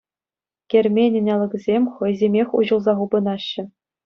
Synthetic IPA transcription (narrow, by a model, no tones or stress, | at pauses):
kʲerʲmʲenʲɘ̆nʲɑlʲˠɤ̆kʲzʲemʲχɤ̆jzʲemʲexʲṵʑɤ̆lˠzɑʁubɤ̆nɑɕːɘ̆